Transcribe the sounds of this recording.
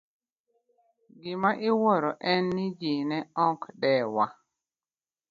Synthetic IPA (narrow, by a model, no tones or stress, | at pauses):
ɡɪmaʔɪwɔɾɔʔɛnːɪd͡ʒinɛɔkdɛwa